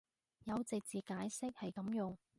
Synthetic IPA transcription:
jɐ˨˧wt͡sɪ˨k̚t͡siː˨˩kaː˨˥jsɪ˥k̚hɐ˨jkɐ˨˥mjʊ˨ŋ

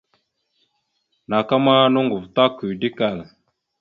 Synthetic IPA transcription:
na˨ka˦ma˦nu˦ŋɡu˨vt̪a˦ku˨di˦ka˨l

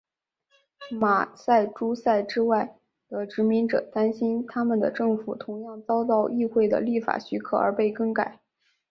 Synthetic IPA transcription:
ma˨˩sa˥˩ɪʈ͡ʂu˥sa˥˩ɪʈ͡ʂɻ̩˥wa˥˩ɪ | d̪̥ə˨ʈ͡ʂɻ̩˧˥mi˧˥ŋʈ͡ʂɤ̰˨˩˦t̪a˥nɕi˥nt̪ʰa˥mə˨nd̪ə̰˩ʈ͡ʂɤ˥˩ŋfu˨˩t̪ʰʊ˧˥ŋjɑ˥˩˧ŋt͡sɑ˥ʊt̪̬ɑ˥˧ʊʔi˥˧xwe˥˩ɪd̪ə̰˩li˥˩fa̰˨˩ɕy˧˥kʰɤ̰˥˩ə˞˧˥pe˥˩ɪkɤ˥ŋka˨˩˦ɪ

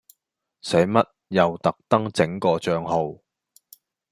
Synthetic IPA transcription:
sɐ˨˥jmɐ˥t̚jɐ˨wt̪ɐ˨k̚t̪ɐ˥ŋt͡sɪ˨˥ŋkɔː˧t͡ʃœː˧ŋɦo˨w

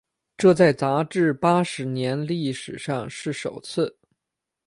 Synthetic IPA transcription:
ʈ͡ʂɤ˥˧t͡sa˥˩ɪt͡sa˧˥ʈ͡ʂɻ̩˥˩pa˥ʂɻ̩˧˥njɛ˧˥nli˥˩ʂɻ̩˨˩ʂɑ˥˧ŋʂɻ̩˥˩ʂo˨˩ʊt͡sʰɹ̩˥˩

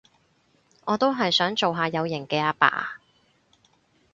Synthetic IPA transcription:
ŋɔː˨˧t̪o˥wɦɐ˨jsœː˨˥ŋt͡so˨wɦaː˨˧jɐ˨˧wjɪ˨˩ŋkɛː˧aː˧˥pa̰ː˧

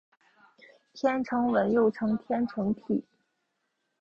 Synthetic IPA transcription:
t̪ʰjɛ˥nʈ͡ʂʰɤ˧˥ŋwə˧˥njo˥˩ʊʈ͡ʂʰɤ˧˥ŋt̪ʰjɛ˥nʈ͡ʂʰɤ˧˥ŋt̪ʰi˨˩˦

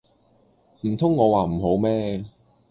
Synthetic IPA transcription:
m̩˨˩t̪ʰʊ˥ŋːɔː˨˧waː˨m̩˨˩ɦo˨˥wmɛː˥

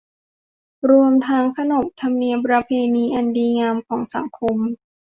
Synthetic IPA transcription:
ɾu˧əmt̪ʰa˦˥ŋkʰa˧no˨˩m̚t̪ʰa˧mni˧əmpɾa˧pʰeː˧niː˧ʔa˧ndiː˧ŋaː˧mkʰɔː˩˦ŋsa˩˦ŋkʰo˧m

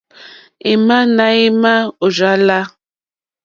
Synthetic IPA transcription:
i˨ma˦na˦i˦ma˦o˨za˨˦la˦

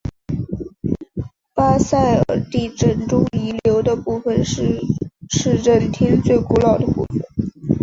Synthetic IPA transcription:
pa˥sa˥˩ɪə̰˞˨˩t̪i˥˩ʈ͡ʂə˥˩nʈ͡ʂʊ˥ŋi˧˥ljo˧˥ʊd̪ə˧pu˥˧fə˧n | ʂɻ̩˥˧ɻə˥˩nt̪ʰɛ˥nt͡swe˥˩ɪku˧˥lɑ˨˩ʊd̪ə˦pṵ˥˩fə˩n

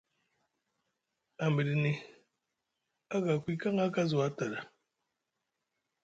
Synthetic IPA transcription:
a˨m˨bi˨ɾi˨ni˨ | a˦ɡa˨kʷi˦ka˦ŋa˦ka˦zo˨a˦ta˨ɾa˨

